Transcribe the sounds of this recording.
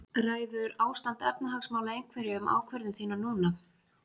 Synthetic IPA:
raːjðʏɾaːwst̪ant̪ɛpnaɦaksmaːwlaejŋkʰvɛɾjɪʏmʔa̰ːwkʰvɛɾðʏmθiːnanuːna

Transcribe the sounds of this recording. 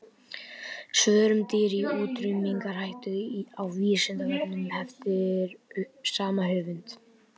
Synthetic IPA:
svœːɾʏmt̪ɪɾiuːt̪ɾʏmiŋkaɾ̥hajht̪ʏawviːsɛnt̪anɛnʏmhɛft̪ɪɾʏhpsaːmaɦʏːvʏnt̪

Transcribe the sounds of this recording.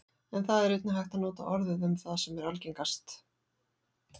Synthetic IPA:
ɛnθaðɛɾejt̪nʏɦajht̪anɔːt̪a̰ʔɔɾðʏðʏmθaðsɛmɛɾalciŋkast̪

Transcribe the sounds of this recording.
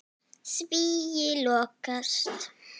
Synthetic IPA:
sbijilokast

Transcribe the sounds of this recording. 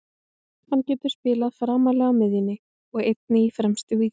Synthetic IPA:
hanːcɛːt̪ʏ̥spɪːlaðfɾaːmalɛːɣamɪðjɪnːɪ | ɔɣejt̪nɪifɾɛmst̪ʏɣvi

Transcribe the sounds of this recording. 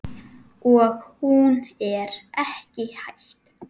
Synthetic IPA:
ɔɣhunɛɾɛhcɪhajɬt̪

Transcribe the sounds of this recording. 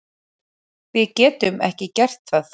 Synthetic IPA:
vɪðcɛːt̪ʏmɛ̰hcɪcɛr̥t̪faθ

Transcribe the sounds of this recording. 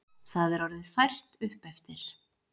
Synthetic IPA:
θaðɛɾɔɾðɪðfajr̥t̪ʏhpɛft̪ɪɾ̥

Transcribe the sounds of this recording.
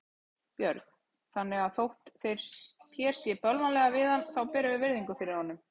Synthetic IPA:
pjœɾkn̥ | θanːɛɣaðθowht̪θeɾ̥t̪ʰjɛɾ̥sjɛpœlvanlɛɣavɪðanθawpɛːɾʏvɪvɪɾðiŋkʏfɪɾɪɾ̥hanːʏm

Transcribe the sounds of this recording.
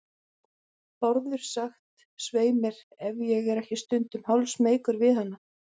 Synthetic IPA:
pɔɾðʏɾ̥saxt̪ | sveːjmɪɾ̥ɛvjɛɣɛɾɛhcɪst̪ʏnt̪ʏmhawlsmeːjkʏɾvɪðhanːa

